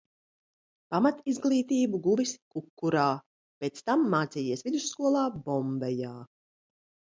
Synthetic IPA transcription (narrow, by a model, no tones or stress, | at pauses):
pamat̪izɡlˠiːt̪iːbuɡuviskukːuɾaː | pet̪st̪amːaːt̪sijiɛsvid̪usːkuɔlˠaːbɔmbɛjaː